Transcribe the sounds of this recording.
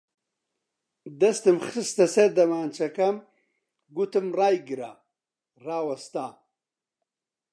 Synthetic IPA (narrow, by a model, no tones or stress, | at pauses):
d̪ɐst̪ɨmχɨst̪ɐseɾd̪ɐmaːnt͡ʃʰɐkɐm | ɡut̪ɨmraːjɡiɾa | raːwɐst̪aː